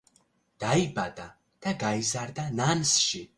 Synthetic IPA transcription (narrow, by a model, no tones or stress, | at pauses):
d̪̥aibad̪a | d̪̥aɡaizaɾd̪anansʃi